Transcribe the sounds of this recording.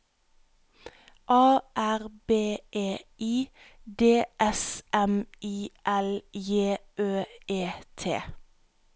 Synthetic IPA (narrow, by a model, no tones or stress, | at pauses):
ʔɑːʔæʁbeːʔeːiː | d̪eːʔɛsʔɛmiːʔɛljeːʔøːeːt̪ʰḛː